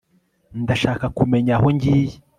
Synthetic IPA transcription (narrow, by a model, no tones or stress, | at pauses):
ndaʃaːkakume̞ɲaɦo̞ɲɟiːje